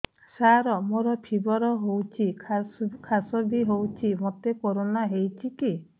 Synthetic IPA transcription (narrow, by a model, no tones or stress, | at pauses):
saɾɔmoɾɔpʰibɔɾɔɦowt͡ʃʰi | kʰasɔbʱiɦowt͡ʃʰimot̪ekoɾonaɦejt͡ʃʰiki